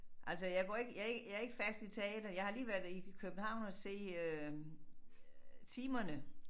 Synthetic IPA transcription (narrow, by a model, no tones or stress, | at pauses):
ʔælsɒjɑ̈ɪɡ̥ɒ̰e̝ɡ̥əjɑe̝ɡ̥jɑæɐe̝ɡ̥əfæsd̥it͡sʰe̝ɛːd̥ɐjɑ̈ɪhɑliːʋæɐdikʰøb̥n̩hɑ̈ʊ̰nɒse̝̰ːø | t͡sʰiːmɐnə